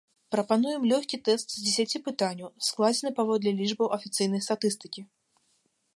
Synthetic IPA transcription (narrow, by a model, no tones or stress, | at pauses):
pɾɐpanujɛmlʲɔxʲkʲit̪ɛst̪zʲd͡zʲesʲat͡sʲipɨt̪anʲːuwsklˠad͡zʲɛnɨpavɔd̪lʲɛlʲiʐbɐwʔɐfʲit̪sɨjnɐjst̪at̪ɨst̪ɨ̥kʲi